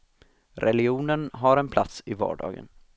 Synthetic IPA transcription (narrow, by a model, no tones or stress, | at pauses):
ɾʔɛlɪuːnənɦaɾɛnpʰlat̪sɪvɑ̰ːɖɑ̰ːɡə̰n